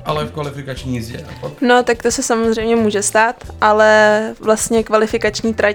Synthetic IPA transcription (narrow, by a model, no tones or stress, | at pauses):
ʔalɛfkvalɪfɪkat͡ʃɲizjɛ̰ano̞t̪ak̚t̪osɛsamozr̝ɛjmɲɛmuːʒɛst̪aːt̪ʔalɛvlast̪ɲɛkvalɪfɪkat͡ʃɲiːt̪ɾa